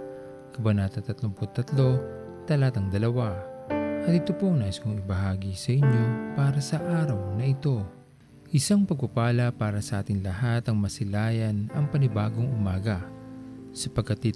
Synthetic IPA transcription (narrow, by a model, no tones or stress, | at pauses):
kɐbanat̪at̪ɐt̪lompoɐt̪lo̞ | t̪ɐlat̪ɐŋd̪ɐlɐwa | ʔɐt̪ɪt̪opo̞naːʔɪskoŋɪbɐɦaːɡisɐʔɪɲo̞paːɾɐsɐʔaːɾɐwnɐʔɪt̪o̞ | ʔɪsaŋpɐɡ̚pʊpaːlɐpaːɾɐsɐʔaːt̪ɪŋlɐɦat̪ɐŋmɐsɪlaːjɐnɐŋpɐnɪbaːɡoŋʔʊmaːɡɐ | sɐpɐɡ̚kːɐt̪ɪ